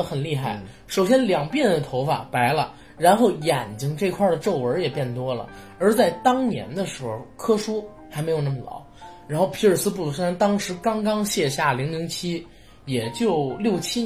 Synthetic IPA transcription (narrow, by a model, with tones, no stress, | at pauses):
xə˨˩nli˥˧xa˥˩ɪ | ʂo˨˩ʊɕjɛ˥nljɑ˨˩ŋpjɛ˥˩nd̪ə˩t̪ʰo˧˥ʊfa̰˨˩pa˧˥ɪlə˧ | ɻa˧˥nxo˥˩ʊjɛ˨˩nt͡ɕi˥ŋʈ͡ʂɤ˥˧˩ɪ˧kʰwa˥˩d̪ə˩ʈ͡ʂo˥˩ʊwə˞˧˥jɛ˨˩pjɛ˥˩nt̪wɔ˥lə̰˨ | ə˞˧˥t͡sa˥˩ɪt̪ɑ˥ŋnjɛ̰˧˥nd̪ə˧ʂɻ̩˧˥xo˧˩ʊkʰɤ˥ʂu˥ | xa˧˥ɪme˧˥jo˨˩nə˥˩mə˨lɑ̰˨˧˥ʊɻa˧˥nxo˥˩ʊpʰi˧˥ə˨˩sɹ̩˥pu˥˩u˧˩ʂa˥nt̪ɑ˥ŋʂɻ̩˧˥kɑ˥ŋkɑ˥ŋɕjɛ˥˧ɕja˥˩li˧˥ŋli˧˥ŋt͡ɕʰi˥ | jɛ˨˩t͡ɕjo˥˧ʊljo˥˩ʊt͡ɕʰi˥